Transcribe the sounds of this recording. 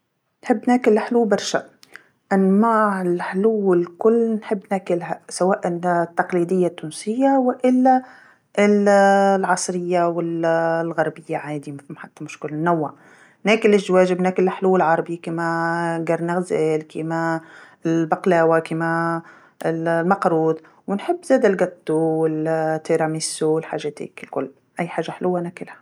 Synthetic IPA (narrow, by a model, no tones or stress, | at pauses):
nħɪbːnæːkɪlːħluːbɑɾˤʃa | ʔanmaːʕɪlħʊluwɪlkʊlːnħɪbːnæːkɪlɦasawaːʔɪnt̪ːɑqliːd̪ɪjːat̪ːuːnsɪjːawɪʔɪlːa | ʔɪllʕɑsˤɾɪjːawɪllɣɑɾˤbɪjːaʕaːd̪imafmħat̪ːamʊʃkɪlnːawːa | næːkɪlɪʃwæːʒɪbnæːkɪlːħluːɪlʕɑɾˤɑbikiːmaɡɑɾˤnɪɣzæːlkiːma | ɪlbaqlæːwakiːma | ɪllmɑqɾuːd̪ | wɪnħɪbːzæːd̪alɡɑt̪ˤːuwɪlt̪ːeɾˤɑmɪsːuɪlħaːʒæt̪ɪ̰kɪlkʊ̰lː | ʔæjːħaːʒːaħlʔuwːanæːkɪlhḁ